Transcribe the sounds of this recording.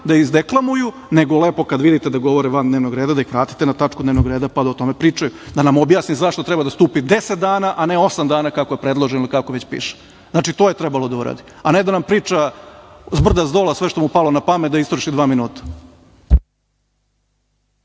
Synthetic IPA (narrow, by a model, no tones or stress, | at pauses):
d̪aizd̪eklˠamuju | neɡo̞leːpo̞kad̪ʋid̪it̪ed̪aɡo̞ʋoɾiʋand̪neːʋnoɡɾeːd̪ad̪aixʋɾaːt̪i̥t̪enat̪at͡ʃkud̪neːʋnoɡɾe̞ːd̪apad̪aot̪o̞me̞pɾiːt͡ʃajud̪anamobjaːsnizaʃt̪ot̪ɾebad̪ast̪uːpid̪eset̪̚d̪aːnaʔane̞o̞samd̪aːnakako̞jepɾe̞d̪lˠoʒenilikako̞ʋet͡ɕpḭːʃe̥ | znaːt͡ʃit̪oje̞t̪ɾebalo̞d̪auɾa̰ːd̪i | aned̪anampɾiːt͡ʂa | zbr̩d̪azd̪olasʋe̞ʃt̪omupalˠonapamet̪̚d̪aist̪oɾiʃid̪ʋaːminuːt̪ḁ